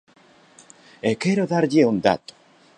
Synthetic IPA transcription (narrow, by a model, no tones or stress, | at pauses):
ekeɾoðaɾʎeund̪a̰t̪o̥